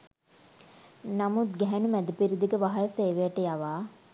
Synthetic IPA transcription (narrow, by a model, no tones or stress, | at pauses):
namut̪̚ɡɛɦænumæd̪əpiɾid̪iɡəʋaɦɐlɐseːʋejɐʈəjaʋaː